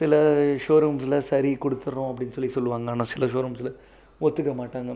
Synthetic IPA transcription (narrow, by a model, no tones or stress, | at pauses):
sɪlɐʂoːɾɐms̬ɪlɐsɐɾikɔɽɯt̪ːɯɾõːɐp̬ːɐɽɪnːsɔlːisɔlːʋaːŋɡɐaːnasɪlɐʂoːɾɐmsɪlɐ | ɔt̪ːɯkːɐmaːʈːaːŋɡɐ